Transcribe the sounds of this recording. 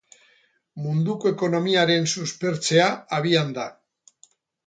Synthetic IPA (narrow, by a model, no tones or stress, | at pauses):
mund̪uko̞e̞ko̞no̞miaɾe̞nsuspe̞ɾt͡se̞aaβiand̪a